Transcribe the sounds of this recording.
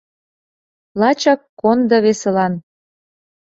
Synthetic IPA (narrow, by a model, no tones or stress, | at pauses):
lɑt͡ɕɑkːond̪ɤ̆βeselɑn